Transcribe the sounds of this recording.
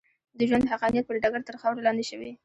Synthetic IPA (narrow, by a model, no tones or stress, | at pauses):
d̪əʒwand̪ɦaqɑnijat̪̚pəɾɖaɡaɾt̪əɾxawɾalɑnd̪eʃəwi